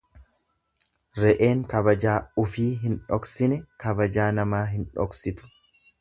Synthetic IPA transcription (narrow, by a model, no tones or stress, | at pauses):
ɾɛʔe̞ːŋkɐbɐd͡ʒaːʊfiːɦɪnᶑɔksɪnɛkɐbɐd͡ʒaːnɐmaːɦɪnᶑɔ̰ksɪt̪ʊ̥